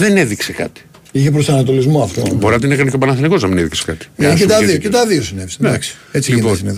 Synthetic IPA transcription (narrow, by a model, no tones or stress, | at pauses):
ðeneðiksekɐ̰t̪i̥ | içep̬ɾost̪oɐnɐt̪o̞lizmoɐft̪oboɾinɐt̪inekɐneceopɐnɐθɐniko̞znɐmineðikse̥kɐ̰t̪i̥mɐiket̪ɐðiocet̪ɐðio̞sinevisend̪aks | et͡siʝnsineðo